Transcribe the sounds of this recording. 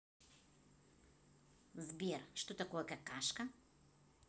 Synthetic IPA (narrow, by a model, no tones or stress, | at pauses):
zbiɾʃt̪ot̪akovakakaʃka